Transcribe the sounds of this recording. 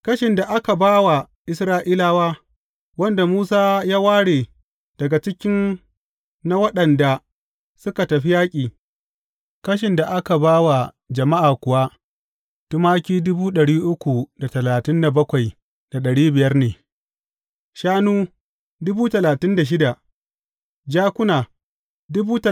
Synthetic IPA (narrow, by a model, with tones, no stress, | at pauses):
kɐ˦ʃɪ˨nda˨ʔa˦ka˨baː˦wa˨ | ʔɪ˦sɾaː˦ʔiː˦laː˦waː˦ | wɐ˦nda˨muː˦saː˦jaː˦waː˦ɽeː˨ | d̥ɐ˨ɡa˨t͡ʃɪ˦kʲɪ˦nː | a˦wɐ˦ɗɐ˨nda˨ | sʊ˦ka˨tɐ˨ɸi˦jaː˦kʲʼiː˨ | kɐ˦ʃ̬ɪ˨nda˨ʔa˦ka˨baː˦wa˨ | d͡ʒɐ˨ma˦ʔaː˨kʷʊ˨wa˦ | tʊ˦maː˦kʲiː˦dʊ˦buː˦ɗɐ˨ɽiː˦ʔʊ˦kʷu˨da˨tɐ˨laː˨tɪ˦nda˨bɐ˦kʷa˨j | d̥a˨ɗɐ˨ɽiː˦bɪ˨jɐ˦rneː˨ | ʃaː˦nuː˦ | dʊ˦buː˦tɐ˨laː˨tɪ˦nda˨ʃ̬ɪ˦da˨ | d͡ʒaː˦kʷʊ˦naː˨ | dʊ˦buː˦tɐ˨